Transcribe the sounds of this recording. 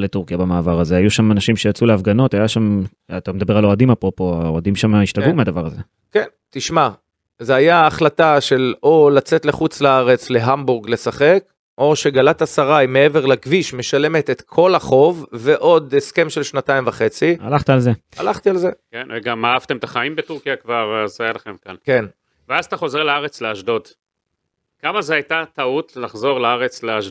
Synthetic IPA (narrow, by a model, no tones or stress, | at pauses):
let̪uʁkijabamaːvaʁazeajuʃamanaʃimʃejat͡suleafɡano̞t̪ajaʃam | at̪amed̪abe̞ʁalo̞ad̪imapʁopo̞aoad̪imʃamiʃtaɡumead̪avaʁaze | kentiʃma | zeajaːχlataʃe̞lo̞lat͡se̞t̪leχut͡slaaʁe̞t͡sle̞ɦambuʁɡle̞saχe̞k | o̞ʃe̞ɡalat̪asaʁajme̞e̞ve̞ʁlaɡviʃme̞ʃale̞met̪et̪kʰo̞laχo̞vːe̞ʔo̞d̪eske̞mʃe̞lʃnat̪aimvaχe̞t͡sia̰laχt̪ealzealaχt̪ialze̞kenveɡamaav̥t̪emet̪aχaimbet̪uʁkijakvaʁazajalaχe̞mkalke̞n | veazat̪aχo̞zeʁlaaʁet͡sleaʃdo̞d̪ | kamazeajt̪at̪aut̪llaχzo̞ʁlaaʁet͡sleaʃd